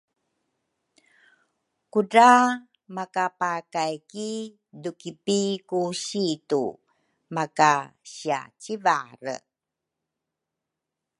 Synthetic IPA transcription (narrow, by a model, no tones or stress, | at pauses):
kuda | makapakajki | dukipikuɕitu | makaɕia̰t͡ɕivaɾə̰